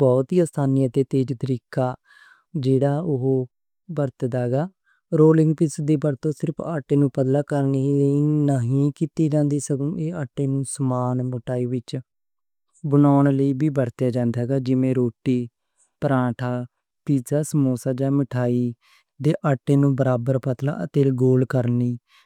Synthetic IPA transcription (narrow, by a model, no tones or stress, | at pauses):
bɔːt̪iːaːst̪ʰaːnijat̪eːt̪eːd͡ʒt̪əɾiːkaː | d͡ʒeːɽaːʊɦoː | bəɾt̪d̪aːɦɡaː | ɾoːlɪŋɡpɪsd̪eːbəɾt̪õːsɪɾəpʰaːʈeːnũːpəd̪laːkəɾniliːnəɦĩːkiːt̪iːd͡ʒãːnd̪iːsəkũːeːaːʈːeːnũːsəmaːnmʊʈaːiːʋɪt͡ʃ | bənaːɳləiːbiːbəɾt̪jaːd͡ʒãːnd̪aːɦɛːɡaːd͡ʒɪʋẽːɾoːʈiː | pəɾãːʈʰaː | piːsaːsəmoːsaːd͡ʒaːməʈʰaːiː | d̪eːʔaːʈːeːnũːbəɾaːbəɾpət̪la̰ːət̪eːlɡoːlkəɾniː